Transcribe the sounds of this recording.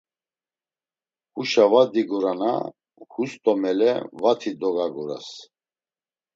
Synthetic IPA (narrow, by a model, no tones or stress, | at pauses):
huʃavad̪iɡuɾana̰ | hust̪ʼɔmɛlɛ̰vat̪ʰid̪ɔɡaɡuɾa̰s